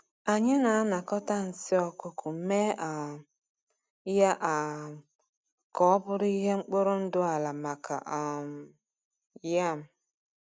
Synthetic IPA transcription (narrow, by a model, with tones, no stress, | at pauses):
a˨ɲɪ˦na˨a˦na˨kɔ˦ta˦n̩˨sɪ˦ɔ˨kʊ˦kʊ˨˦me˦ʔa˨ | ja˦ʔa˨ | kɔ˦ɔ˦bʊ˦ɾi˦ɦe˦ŋ͡m̩˦k͡pʊ˦ɾʊ˦n̩˦dʊ˦a˨la˨ma˨kʰa̰˨ʔa˨m˨ | ja˦˨m̩˨